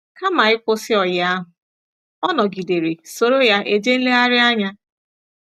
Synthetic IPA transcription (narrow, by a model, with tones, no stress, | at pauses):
ka˦ma˨ɪ˦kʊ˦sɪ˦ɔ˨jɪ˨a˦ɦʊ˨ | ɔ˦nɔ˨ɡi˨de˨ɾe˨so˦ɾo˦ja˦ʔe˦d͡ʒe˦n̩˦le˦a˦ɾɪ˦a˦ɲa˦